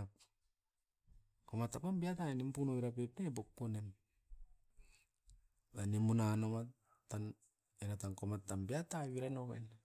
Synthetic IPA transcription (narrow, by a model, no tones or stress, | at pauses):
a | komatːapambiataenimpunoβiɾapepnebok̚ponem | βanimunanoma | tan | enatankomatːambiataiβiɾanoβḛn